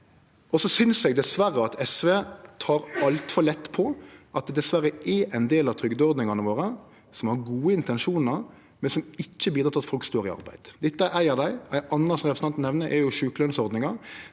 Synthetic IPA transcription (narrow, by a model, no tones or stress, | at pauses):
ʔɔsɔsʏnsɛɡd̪ɛsʋæɾːəɑt̪ʰɛsʋeːt̪ʰɑːɾɑlt̪fɔɾlɛt̪ːpʰɔʔɑt̪̚d̪ɛd̪ɛsʋæɾəʔɛɾʔɛɪnd̪eːlɑt̪ʰɾʏɡd̪ɔɾd̪nɪŋɑnəʋoːɾə | sɔmhɑɾɡuːəɪnt̪ɛnʂuːnəɾ | mɛnsɔmɪt͡ʃːəbiːd̪ɾɑt̪ɑt̪fɔlkst̪oːɾɪɑ̰ɾbæ̰ɪd̪̥d̪ɛt̪ːəʔæɪəd̪æɪæɪʔɑnːəsɔmɾɛpəsn̩ɑnt̪n̩ɛʋnəʔɛɾjʊʃʉːkəlœnsɔɾd̪nɪŋɑ